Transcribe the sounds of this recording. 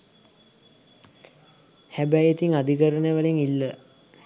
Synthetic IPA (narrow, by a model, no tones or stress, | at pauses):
hæbæjet̪iŋad̪ikəɾənəʋəliŋilːə